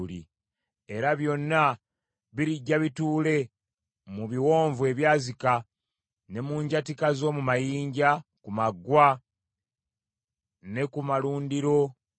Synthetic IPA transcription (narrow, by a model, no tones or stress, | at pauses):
lḭ | e̞ɾaβjo̞nːa | βiɾiɟːaβituːle̞ | muβiwo̞ːɱvue̞βjaːzika | ne̞muːɲɟatikazo̞ːmumajiːɲɟakumaɡwa | ne̞kumaluːndiɾo̞